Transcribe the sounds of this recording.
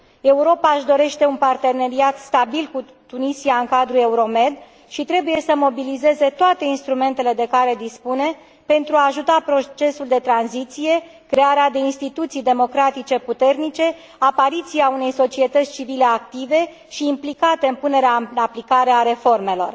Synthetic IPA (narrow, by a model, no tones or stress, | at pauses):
e̞uɾo̞paʒd̪o̞ɾe̞ʃt̪e̞unpart̪e̞ne̞ɾiat̪st̪abilku | t̪unisiaɨŋkad̪ɾue̞uɾo̞me̞d̪ | ʃit̪ɾe̞buje̞səmo̞bilize̞ze̞t̪oat̪e̞inst̪ɾume̞nt̪e̞le̞d̪e̞kaɾe̞d̪ispune̞ | pe̞nt̪ɾuaːʒut̪apɾo̞t͡ʃe̞suld̪e̞t̪ɾanzit̪sije̞kɾe̞aɾead̪e̞inst̪it̪ut̪sijd̪e̞mo̞kɾat̪it͡ʃe̞put̪e̞rnit͡ʃe̞ | apaɾit̪siaune̞jso̞t͡ʃie̞t̪ət̪sʲt͡ʃivile̞akt̪ive̞ | ʃiːmplikat̪e̞ɨnpune̞ɾeaaplikaɾeaɾe̞fo̞rme̞lo̞̰r